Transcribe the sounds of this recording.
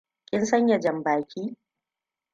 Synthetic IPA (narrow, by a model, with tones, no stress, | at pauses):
kʲɪ˦nsɐ˦ɲjɐ˨d͡ʒɐ˨mbaː˨kʲiː˦